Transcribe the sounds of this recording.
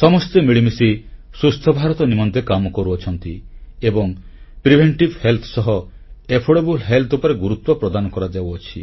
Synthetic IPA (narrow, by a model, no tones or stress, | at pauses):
sɔmɔst̪emiɭimisi | sust̪ʰɔbʱaɾɔt̪ɔnimɔnd̪ʱekamɔkɔɾuɔt͡ʃʰɔnt̪iebɔŋpɾibʱeɳʈibhelt̪ʰɔsɔɦɔ | epʰoɽebulɦelt̪ʰupɔɾeɡuɾut̪wɔpɾɔd̪anɔkɔɾad͡ʒawɔt͡ʃʰḭ